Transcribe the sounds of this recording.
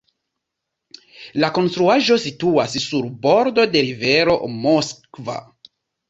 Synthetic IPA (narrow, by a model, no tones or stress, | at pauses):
lako̞nstɾuaʒo̞situassuɾbo̞ɾdo̞de̞ɾive̞ɾo̞mo̞skva̰